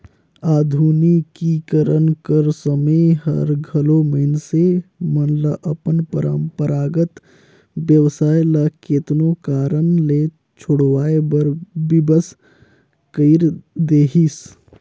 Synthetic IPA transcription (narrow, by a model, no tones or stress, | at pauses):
aːd̪ʱuːnikikəɾənkəɾsəməɦə̰ɾɡʱəloməɦɪnsemənləʔəpənpəɾəmpəɾaːɡət̪ | bjəʋsaːjləket̪nokaːɾənle | t͡ʃʰʊɽʋaːebəɾbibəs | kəɪɾd̪eːɦis